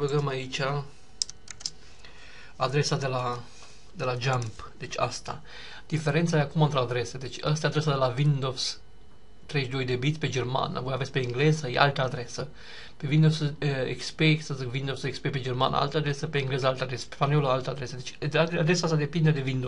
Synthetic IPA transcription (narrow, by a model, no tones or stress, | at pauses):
bəɡəmait͡ʃʲa | ad̪ɾe̞sad̪e̞la | d̪e̞lad͡ʒamp | d̪̥et͡ʃʲa̰st̪a̰ | d̪̥ife̞ɾent̪sajeakumɨnt̪ɾead̪ɾe̞sed̪e̞t͡ʃʲəst̪jad̪ɾes̬ad̪e̞lavind̪o̞vs | t̪ɾeʃd̪o̞jd̪ebit̪sʲped͡ʒerma̰na̰pvojavet̪sʲpeɨŋɡle̞zəjḛa̰lt̪əad̪ɾe̞sə | pe̞vind̪ovsəḛkspeksəzikvind̪ovsekspeped͡ʒerma̰nə̰a̰lt̪əad̪ɾesəpeɨŋɡle̞zəalt̪əad̪ɾesə̥pepanelaalt̪əad̪ɾe̞səd̪et͡ʃ̪ʲaad̪ɾe̞saast̪ad̪e̞pind̪ed̪e̞vind̪o